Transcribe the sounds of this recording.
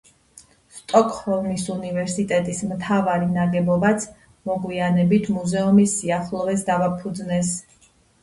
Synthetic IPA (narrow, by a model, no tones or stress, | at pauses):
st̪ʼɔkʼhɔvnisunivɛɾsit̪ʼɛt̪ʼismt̪ʰavaɾinaɡɛbɔbat̪sʰ | mɔɡwianɛbit̪ʰmuzɛumisiaχlˠɔvɛsd̪avapʰud̪znɛs